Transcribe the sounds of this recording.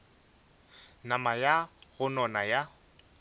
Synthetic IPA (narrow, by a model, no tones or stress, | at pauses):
namajaɣʊnɔnaja